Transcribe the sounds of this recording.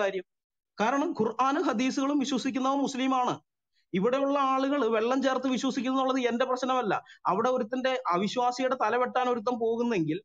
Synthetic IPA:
aːɾjɐm | kaːɾɐɳɐmkurʔaːnɨɦɐd̪iːsuɣɐɭumʋiɕwɐsikʲːunːɐomuslimaːɳɨ | iʋiɽe̞juɭːɐaːɭuɣɐɭʋe̞ɭːɐmt͡ɕe̞ːrt̪ːɨʋiɕwɐsikʲːunːuɭːɐðɨe̞nde̞prɐɕnɐmɐlːɐ̰ɐʋiɽe̞o̞ɾut̪ːɐnde̞ʔɐʋiɕwaːsɐjuɽet̪ɐlɐʋe̞ʈːaːno̞ɾut̪̬ːɐmpo̞ːɣunːɐeŋɡil

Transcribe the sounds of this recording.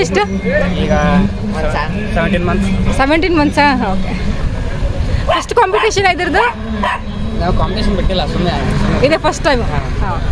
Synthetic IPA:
isʈ | iɡa | aseʋeɳʈiːnmɐnt̪sseʋeɳʈiːnmɐnt̪sãɦãoke | fɐsʈkɔmpiʈeɕənajd̪iɾd̪o | t̪ɛʋ̃kɔmpiʈeɕənbeʈːelasumiajniiid̪efɐsʈʈajmɦãɦã

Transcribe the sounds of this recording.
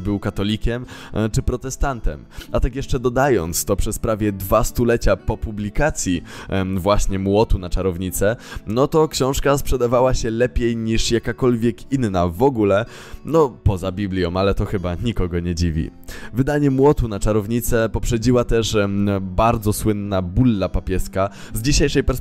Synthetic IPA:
bɘwkat̪ɔlʲikʲɛmt͡ʂɘpɾɔt̪ɛst̪ant̪ɛ̰mat̪akjɛʂt͡ʂɛd̪ɔd̪ajɔnt̪st̪ɔpʂɛspɾavʲjɛd̪vast̪ulɛt͡ɕapɔpublʲikat̪sʲjivwaɕɲɛmwɔt̪unat͡ʂaɾɔvɲit̪sɛnɔt̪ɔkɕɔ̃w̃ʂkaspʂɛd̪avawaɕɛlɛpʲjejɲiʂjakakɔlvʲjɛkinːavɔɡulɛ | nɔpɔzabʲiblʲjɔ̃m̃alɛt̪ɔxɘbaɲikɔɡɔɲɛd͡ʑivʲḭvɘd̪aɲɛmwɔt̪unat͡ʂaɾɔvɲit̪sɛpɔpʂɛd͡ʑiwat̪ɛʂbaɾd̪zɔswɘnːabulːapapʲjɛska | zd͡ʑiɕejʂɛjpɛɾs

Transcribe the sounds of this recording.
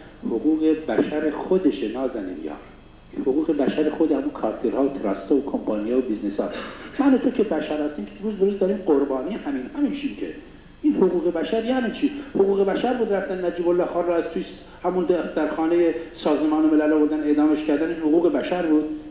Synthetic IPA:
hoɣuːɣe̞bæʃæɾexod̪eʃenɒːzænḭnjɒ̰ːɾ | hoɣuːɣe̞bæʃæɾexod̪ehæmunkʰɒːɾt̪ʰeɾhɒːvot̪ʰeɾɒːst̪ɑːvokʰompʰɑːnijɑːvobiznesɒ̰ːt̪mænot̪ʰokʰe̞bæʃæɾhæst̪iːmkʰeɾuːzb̪oɾuːzd̪ɒːɾiːmɢoɾbɒːniːjehæmiːnhæminʃʰimcʰḛ | ʔiːnhoɣuːɣe̞bæʃæɾjæːnit͡ʃʰiːhoɣuːɣe̞bæʃæɾbuːd̪ɾæft̪ænːæd͡ʒiːbolːɒːhxɑːnrɔæz̥t̪ʰujs | hæmund̪æd̪æɾxɑːnejesɒːzemɒːneme̞lælovoɾd̪æne̞ʔd̪ɒːmeʃkcʰæɾd̪æniːnhoɣuːɣebæʃæɾbuːd̪̥

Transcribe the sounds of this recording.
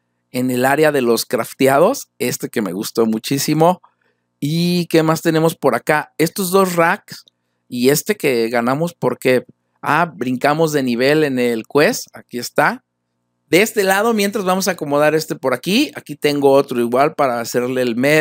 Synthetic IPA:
e̞ne̞laɾjaðe̞lo̞skɾaft̪jað̞o̞se̞st̪e̞ke̞me̞̰ɣust̪o̞mut͡ʃisimo̞ | ike̞mast̪e̞ne̞mo̞spo̞ɾakae̞st̪o̞zðo̞sraks | ie̞st̪e̞ke̞ɣanamo̞spo̞ɾke̞ | a̰bɾiŋkamo̞zðe̞niβ̞e̞le̞nelkwe̞sakie̞st̪a | ðeest̪e̞lað̞o̞mje̞nt̪ɾazβamo̞s̬aːko̞mo̞ð̞aɾe̞st̪e̞po̞ɾakiakit̪e̞ŋɡo̞ot̪ɾo̞iɣwalpaɾaːse̞ɾle̞ːlme

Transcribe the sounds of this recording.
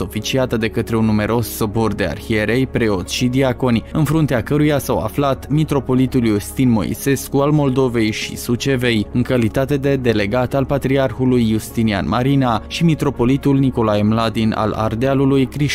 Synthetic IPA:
o̞fit͡ʃiat̪əd̪e̞kət̪ɾe̞unːume̞ɾo̞sːo̞bord̪e̞a̰rxie̞ɾe̞jpɾe̞o̞t̪ʃid̪iako̞nʲɨnfɾunt̪eakəɾujasawa̰flat̪mit̪ɾo̞po̞lit̪uljust̪inmo̞̰ḭse̞skualmo̞ld̪o̞ve̞jʃḭsut͡ʃe̞ve̞jɨŋkalit̪at̪e̞d̪e̞d̪e̞le̞ɡat̪alpat̪ɾiarxulujːust̪inia̰nmaɾinaʃimit̪ɾo̞po̞lit̪ulniko̞laemlad̪ina̰la̰rd̪ealulujkɾiʃ

